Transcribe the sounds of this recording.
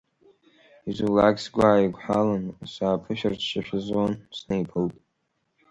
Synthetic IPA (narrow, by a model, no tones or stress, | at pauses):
izulaɡsɡʷaːiɡʷħalansaːpʰɨʃᶣarʃɪʃʷᶣɪzwansnejpʰɨltʼ